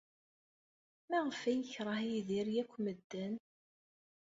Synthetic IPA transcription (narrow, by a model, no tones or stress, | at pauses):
mæʁəfæjəçɾˤɑhiðiɾjækʷːməd̪ːən